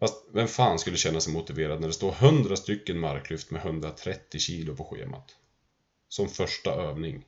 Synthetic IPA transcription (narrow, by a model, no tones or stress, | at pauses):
fast̪vɛmfaːnskɵlːəɕɛnːasɛmʊt̪ɪveːɾad̪̚næɖɛst̪oːɾɦɵnd̪ɾast̪ʏkːənmaɾkʰːlʏft̪mɛɦɵnd̪ɾat̪ʰɾɛt̪ːɪɕiːlʊpʰɔɧḛːma̰t̪ | sɔmfœʂʈaøːvnɪŋ